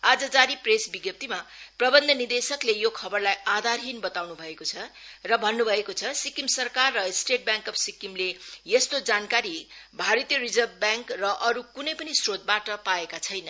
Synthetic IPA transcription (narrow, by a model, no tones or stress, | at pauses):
ad͡zʌd͡zaɾipresbiɡjʌp̚t̪imaprʌbʌnd̪ʱʌnird̪esʌklejokʰʌbʌrlajad̪ʱarɦinbʌt̪awnubʱʌekot͡sʰʌrʌbʱʌnːubʱʌekot͡sʰʌsikimsʌrkarːʌsʈeʈ̚bjãŋkʌpsikimlejest̪od͡zankaɾibʱaɾʌt̪jʌrid͡zʌrbbjãŋkrʌʔʌɾukunʌjpʌnisrot̪̚baʈʌpaekat͡sʰʌjnʌ